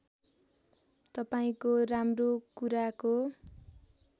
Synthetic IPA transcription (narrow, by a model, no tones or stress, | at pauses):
t̪ʌpaĩkoramrokuɾako